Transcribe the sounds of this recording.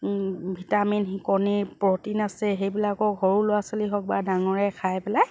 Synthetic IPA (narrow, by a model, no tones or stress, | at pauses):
bʱitaminxikɔnipɹɔtinasɛxejbilakɔɡʱɔɹulʊwasɔliɦɔk̚badaŋɔɹɛkʰajpɛlaj